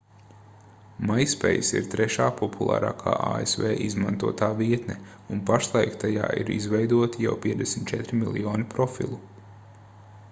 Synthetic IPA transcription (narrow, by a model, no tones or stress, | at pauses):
majspɛ̰jsḭɾt̪ɾɛʃaːpɔpʰulˠa̰ːɾa̰ːkʰa̰ːʔa̰ːḛsvɛːʔizmãnt̪uɔt̪aːviɛt̪nɛ | unpaʃlˠajkt̪aja̰ːʔḭɾḭzvɛjd̪uɔt̪ijawpʲiɛd̪esmʲit̪t͡ʃɛt̪ɾimilˠjɔːnipɾɔfḭlˠu